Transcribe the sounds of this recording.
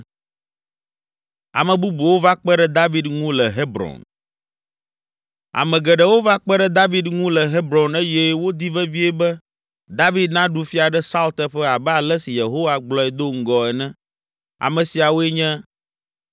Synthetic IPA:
a̰˨mɛ̃˨bu˦bu˨wo˦va˦k͡pɛ˦ɖɛ˦d̪a˦vi˦d̪ŋũ˦lɛ˨ɦe˦bɾɔ̰̃˨n | a̰˨mɛ̃˨ɡɛ˨ɖɛ˨wo˦va˦k͡pɛ˦ɖɛ˦d̪a˦vi˦d̪ŋũ˦lɛ˨ɦe˦bɾɔ̃˨ne˦jɛ˦wo˦d̪i˦vɛ˦vi˦ɛ˦bɛ˦ | d̪a˦vi˦d̪nã˦ɖu˦fi˦a˨ɖɛ˦sa˦ult̪ɛ˦ɸɛ˦a˨bɛ˦a˨lɛ˦si˨je˨ɦo˦wa˦ɡ͡blɔ˦ɛ˨d̪o˦ŋ̩˦ɡɔ˨ɛ˨nɛ̃˦ | a̰˨mɛ̃˨si˨a˨wo˦ɛ˦ɲɛ̃˦

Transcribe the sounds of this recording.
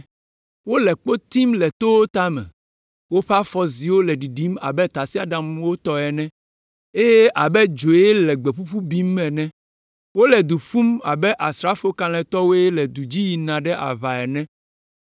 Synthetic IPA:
wo˦lɛ˨k͡po˦t̪i˦mlɛ˨t̪o˦wo˦t̪a˦mɛ̰̃˨ | wo˦ɸa˦fɔ˦zi˨wo˦lɛ˨ɖi˨ɖi˦ma̰˨bɛ˦t̪a˨si˦a˨ɖa˦mwo˦t̪ɔ˦ɛ˨nɛ̃˦ | e˦je˦ʔa˨bɛ˦d͡ʒo˨jɛ˦lɛ˨ɡ͡be˨ɸu˦ɸu˦bi˦mːɛ̃˨nɛ̃˦ | wo˦lɛ˨d̪u˨ɸu˦ma̰˨bɛ˦ʔa˨sɾa˦fo˦kã˨lɛ̃˨t̪ɔ˦wo˦jɛ˦lɛ˨d̪u˨d͡ʑi˦ji˨nã˨ɖɛ˦ʔa̰˨βa˨ɛ˨nɛ̃˦

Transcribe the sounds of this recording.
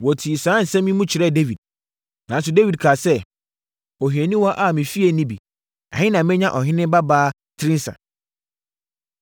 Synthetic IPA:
wɔ˨tʰi˨sãː˨˦n̩˨sɛ̃˦mĩ˦mũ˦t͡ɕʰɪ˨ɾɛ˦˨de˦vi˨d̥̚ | nã˨n˦s̬ʊ˨de˦vi˨d̚kʰaː˨sɛ˦ | ɔ˨ɦɛ̃˨nĩ˦wɔ˦ʔa˦˨mɪ̃˨fi˦e˨˦nĩ˦bḭ˨ | ã̰˨hɪ̃˦nã˨mɪ̃˦ɲã˨ʔɔ˨ɦɪ̃˦nɪ̃˦ba˦baː˦ | tʰɪ˦ɾɪ̃˦n̩˦sã̰˨

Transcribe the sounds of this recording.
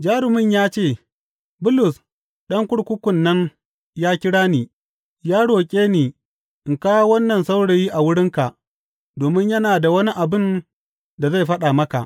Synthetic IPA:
d͡ʒaː˦ɽɪ˨mɪ˦ɲjaː˦t͡ʃeː˦˨ | bʊ˦lʊ˨s | ɗɐ˦ŋkʷʊ˦ɽkʷʊ˦kʷʊ˨nːɐ˦ŋ | jaː˦kʲɪ˦ɽaː˦niː˨ | jaː˦ɽoː˨kʲʼeː˦neː˨ | ʔɪ˨ŋkaː˦wo˦wɐ˦nːɐ˨nsa˦wɽe˨jiː˦ʔa˨wʊ˦ɽɪ˦ŋka˨ʔ | doː˨mɪ˦ɲjɐ˦naː˨da˨wɐ˦ni˦ʔa˨bɪ˦˨n | da˨za˦˨jɸɐ˦ɗa˨mɐ˦ka̰˨ʔ

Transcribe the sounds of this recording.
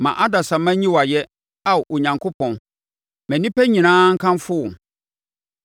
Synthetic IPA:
mã̰˨ʔa˦da˨sã˨mã˦ɲĩ˦wa˨jɛ˦ | a˦˨ʔɔ˨ɲã˨ŋkʰʊ˦pʰɔ̃˨n | mæ̃˨nĩ˦pæ˦ɲĩ˨nãː˦ŋ̩˦kʰã˦nfʊ˦wʊ̃˨

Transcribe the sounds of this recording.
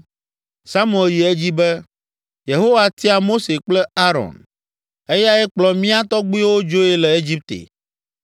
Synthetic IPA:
sa˦m˦˨e˨lji˨e˦d͡ʑi˦bɛ˦ | je˨ɦo˦wa˨t̪i˦a˨mo˦se˨k͡plɛ˦a˦ɾɔ̰˨n | e˦ja˦ɛ˦k͡plɔ˨mĩ˦a˦t̪ɔ˦ɡ͡bi˦wo˦d͡ʒo˦ɛ˦lɛ˨e˦d͡ʑi˦p̚t̪ḛ˨

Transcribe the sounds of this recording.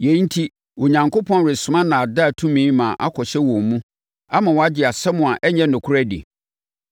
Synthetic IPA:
je˨˦n̩˦tʰi˦ | wɔ˨ɲã˨ŋko˦pʰɔ̃˦nɾɪ˨sʊ̃˨mã˦nã˨a˨da˦˨tʰũ˦mĩː˦mã˨ʔa˦kʰɔ˨ɕɛ˦wɔ̃˨mũ˦ | a˦mã˨wɔ˨a˦d͡ʑɪ˨a˨sɛ˦mʊ̃˨a˨ʔɛ˦ɲɛ̃˦nʊ̃˨kʰʊ˦ɾæ˦dḭ˨

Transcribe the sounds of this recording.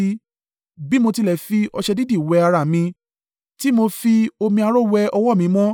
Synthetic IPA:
i˧ | bi˦mo˧ti˧lɛ˨fi˧ɔ˧ʃɛ˧di˦di˦˨wɛ˨˧a˧ɾa˨mĩ˧ | ti˦mo˧fi˧o˧mĩ˧a˧ɾo˦˨wɛ˧ɔ˧wɔ˦˨mĩ˨˧˦mɔ̃˦

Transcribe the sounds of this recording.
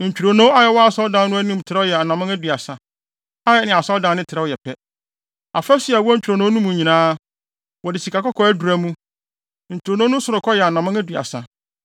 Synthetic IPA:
ɲ̩˨t͡ɕᶣu˨ɾo˨nõ˦a˦jɛ˨wɔ˦a˨sɔ˦ldã˨˦n˦nʊ̃˦æ˦nũ˦˨tʰɪ˨ɾɛ˦ɔ˦jɛ˨a˨nã˨mã˦æ˦dɥa˨sa˨ | a˦jɛ˦nɪ̃˨a˨sɔ˦ldã˨nɪ̃˦tʰɪ˨ɾɛ˦wɔ˦jɛ˨pʰɛ˦ | a˨fɛ˦sɪ˨˦ɛ˨wɔ˦ɲ̩˦t͡ɕᶣɾo˨nõ˦nũ˦mũ˨ɲĩ˨nãː˦ | wɔ˨dɪ˨si˨ka˨kɔ˦kʰɔ˦æ˦du˨ɾæ˦mũ˦ | ɲ̩˨t͡ɕʰᶣu˨ɾo˨nõ˦nʊ̃˦sʊ˨ɾʊ˨kʰɔ˦jɛ˨a˨nã˨mã˦æ˦dɥa̰˨sa˨

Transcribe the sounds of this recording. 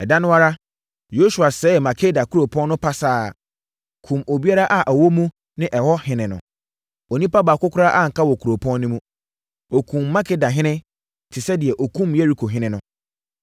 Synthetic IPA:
ɛ˨da˦nʊ̃˦a˦ɾa˦ | jo˦su˨a˨sɛː˨˦˨mã˨kʰe˦da˨ku˦ɾo˨pʰɔ̃˦nː˦ʊ̃˦pʰa˦saː˦˨ | kʰũ˨mo˨bi˦a˦ɾa˦ʔa˨ʔa˨wɔ˦mũ˦ | nɪ̃˦ʔɛ˨hɔ˦hɪ̃˨nɪ̃˨nʊ̃˨ | o˨nĩ˦pa˦ba˨kʊ˦kʰʊ˦ɾa˦ʔa˦ŋ̩˨kʰa˦wɔ˨kʰu˨ɾo˨pʰɔ̃˦nːʊ̃˦mũ˦ | o˨kʰũ˨mː˦ã˦kʰe˦da˨ɦɪ̃˦nɪ̃˦ | tʰɪ˨sɛ˦dɪ˨ɛ˨ʔɔ˨kʰũ˦mje˦ɾi˦kʰo˨ɦɪ̃˦nɪ̃˦nʊ̃˦

